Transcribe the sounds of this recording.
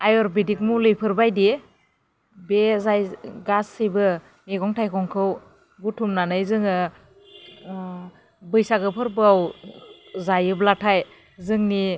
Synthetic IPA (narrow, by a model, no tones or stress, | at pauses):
ajɔɾbidik̚mulɯjpʰɯɾbajdi | bezajɡasɯjbɯ | meɡɔŋtʰajkʰɔŋkʰɯw | ɡutʰumnanɯjzɯŋɯ | bɯjsaɡɯpʰɯɾbɯaw | zajɯblatʰaj | zɯŋni